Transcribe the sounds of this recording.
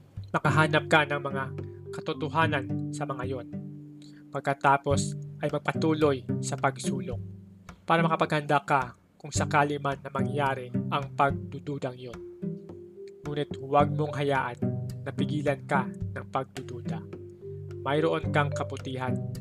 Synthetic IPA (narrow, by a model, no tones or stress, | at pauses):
mɐkɐɦaːnɐp̚kɐnɐŋmɐŋakɐt̪ʊt̪ʊɦaːnɐnsɐmɐŋajo̞n | pɐɡ̚kɐt̪aːpo̞sʔɐjmɐɡ̚pɐt̪uːlo̞jsɐpɐɡsuːloŋ | paːɾɐmɐkɐpɐɡhɐnd̪aka | kʊŋsɐkaːlɪmanːɐmɐŋjaːɾɛʔɐŋpɐɡ̚d̪ʊd̪uːd̪ɐŋjo̞n | ŋuːnɪt̪wɐɡ̚moŋɦɐjaːʔɐnːɐpɪɡiːlɐnkɐnɐŋpɐɡ̚d̪ʊd̪uːd̪ɐ | mɐjɾoʔo̞nkɐŋkɐbʊt̪iːɦan